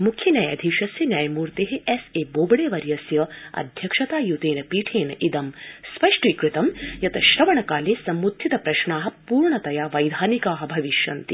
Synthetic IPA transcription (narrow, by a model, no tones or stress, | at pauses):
mukʰjɐnʲjɐjɐ̰d̪ʱiʂɐsjɐnjaːjɐmuːɾt̪eːɦeʔeseːboːbɐɽeːʋɐɾjɐsjɐɐ̰d̪ʱjɐkʂɐt̪aːjut̪eːnɐpiːʈʰeːnɐʔid̪ɐmspɐʂʈiːkɾit̪ɐmjɐt̪ɐʃɾɐʋɐɳɐkaːleːsɐmɾut̪ʰːit̪ɐpɾɐʃɳaːɦɐ̆puːɾɳɐt̪ɐjaːʋɐjd̪ʱaːnikaːɦɐ̆bʱɐʋiʃjɐnt̪i